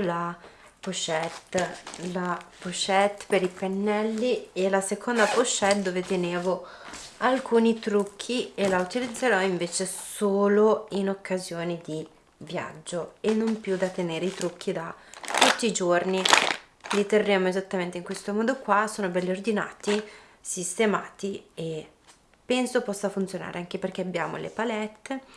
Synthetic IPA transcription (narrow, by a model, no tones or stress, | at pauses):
la | poʃɛt̪lapoʃɛt̪ːpeɾipenːɛlːielasekʰond̪apoʃːɛt̪̚d̪oːvet̪eneːvoalkuːnit̪ɾukʰːielaut̪ilid̪zːeɾɔiɱveːt͡ʃesoːloinokʰːazjoːnid̪i | vja̰d͡ʒːoenːompjud̪at̪ːeneːɾeit̪ɾuk̟ːid̪at̪ut̪ːiːd͡ʒorni | lit̪erːeːmoezat̪ːament̪eiŋkwest̪omɔːd̪okwasoːnobɛlːord̪ina̰ːt̪i | sist̪ema̰ːt̪ie | pːɛnsopɔsːafunt̪sjona̰ːɾʔeaŋk̟eperk̟eabːjaːmo̰lḛpalɛt̪ːe